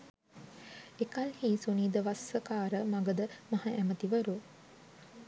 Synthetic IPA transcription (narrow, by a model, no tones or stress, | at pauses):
ekɐlhiːsuniːd̪əʋasəkaːɾəmaɡəd̪əmahaʔæmət̪iʋəɾu